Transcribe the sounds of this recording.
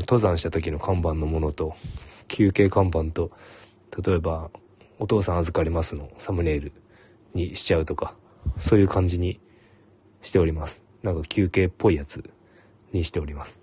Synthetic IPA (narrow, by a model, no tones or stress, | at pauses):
t̪o̞zãɰ̃ɕi̥t̪at̪okʲino̞kãmbãnːo̞mo̞no̞t̪o̞kʲʰɨːke̞ːkãmbãnt̪o̞ | t̪at̪o̞e̞ba | o̞t̪o̞ːsãɰ̃azɨkaɾʲimasɨno̞samɯ̟ɾe̞ːɾɯ̟ | ɲ̟iɕi̥t͡ɕaɯ̟t̪o̞ka | so̞ːjɯ̟ːkãɲ̟d͡ʑiɲ̟i | ɕi̥t̪e̞o̞ɾʲimasɨ̥ | nãŋkakʲɨːke̞ːpʰːo̞ijat͡sɨ | ɲ̟iɕi̥t̪e̞o̞ɾʲimasɨ̥